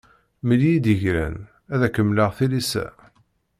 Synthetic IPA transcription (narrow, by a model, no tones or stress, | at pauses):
məljid̪əʝɾæ̰n | æðækːəmːləʁθilisæ̰